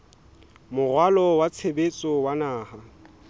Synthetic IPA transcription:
mʊrwalɔwat͡sʰebet͡sʼɔwanaːha

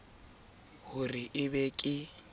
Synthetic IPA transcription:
hʊriʔɪβekʼɪ

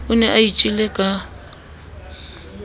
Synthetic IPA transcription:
ʊnɛʔait͡ʃʼilɛkʼa

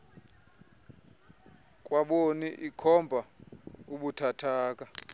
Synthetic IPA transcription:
kʼwaɓoniʔikʰɔmbʱauɓutʰatʰaːk̬ʼa

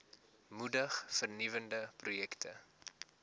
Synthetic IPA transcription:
mudəχfərnivəndəprujɛktʰə

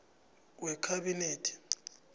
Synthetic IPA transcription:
wɛkʰaɓineːtʰi̥

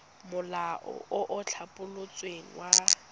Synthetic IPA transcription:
mʊlaʔɔ̰ʊʔʊt͡ɬʰapʼʊlʊt͡sʼweŋ̩wa

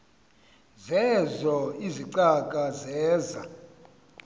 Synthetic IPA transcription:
zɛzɔiziǀakʼazɛːza

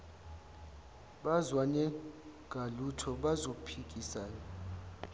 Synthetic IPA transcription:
ɓazwaɲɛŋɡ̥ʱalutʰɔɓazopʰik̬ʼisaːjɔ

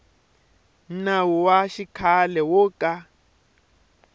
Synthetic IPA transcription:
nnawɔwaʃikʰalɛwɔkʼa

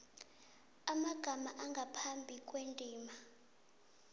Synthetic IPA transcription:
amaɡ̥ʱamaʔaŋɡʱapʰambʱikʼwendʱʼiːma

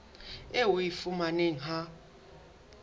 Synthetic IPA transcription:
ɛwojifumanɛŋ̩ɦa

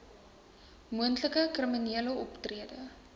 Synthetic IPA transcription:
muəntləkəkriminiələɔptriədə

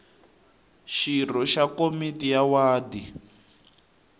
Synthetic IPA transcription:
ʃir̤ɔʃakomitijawaːdi

